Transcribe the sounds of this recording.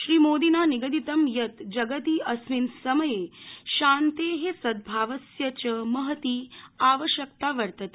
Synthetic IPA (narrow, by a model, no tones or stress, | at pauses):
ʃɾiːmoːd̪inaːniɡɐd̪it̪ɐmjɐt̪d͡ʒɐɡət̪iːɐsʋinsɐməjeʃaːnt̪eɦesɐd̪̚bʱaːʋɐsjɐt͡ɕəmɐɦət̪iːaːʋəʃjɐk̚t̪aʋɐɾt̪ɐt̪e